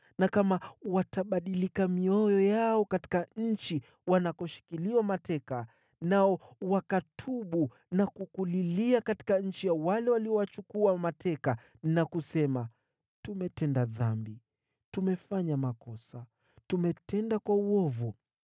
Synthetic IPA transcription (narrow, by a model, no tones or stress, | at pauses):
nakamawataɓaɗilikamiɔjɔjaɔkati̥kaɲ̩t͡ʃi | wanakɔʃi̥kiliwamatɛka | naɔwakatʰuɓu | nakukuliliakati̥kaɲ̩t͡ʃijawalɛwaliɔwat͡ʃukuamatʰɛka | nakusɛma | tumɛtɛndaðambi | tumɛfaɲamakɔsa | tumɛtɛndakwauɔvu